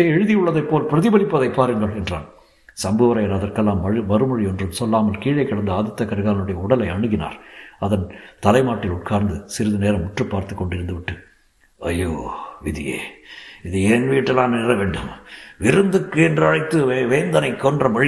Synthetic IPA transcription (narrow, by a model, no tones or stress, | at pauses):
ɐjɛɻɯðɪjɯɭːɐðɐɪpːoːlpɪɾɐðɪbɐlɪpːɐðɐɪpːaːɾɯŋɡɐɭɛndra̰ːn | sɐmboːʋɐɾɐjɐɾɐðɐrkɛlːaːmɐmɐɾɯmɐɻiɔndrɯmsɔlːaːmɐlkiːɻɐɪkːɐɽɐnd̪ɐaːðɪt̪ːɐkːɐɾɣaːlɐnɯɽɐjɐʊɽɐlɐɪɐɳɯɣɪna̰ːɾɐðɐnt̪ɐlɐɪmaːʈːɪlʊʈ̚kaːɾnd̪ɯsɪɾɯðɯneːɾɐmʊʈrɯpːaːɾt̪ɯkːɔɳɖɪɾɯnd̪ɯʋɪʈːɯ | ɐjːoːʋɪðɪjḛːɪðɯenʋiːʈːɐlːaːnnɛɾɐʋeːɳɖɯmʋɪɾɯnd̪ɯkːɯɛndrɯɐɻɐɪt̪ːɯʋeːnd̪ɐnɐɪkːɔndrɐmɐɻɪ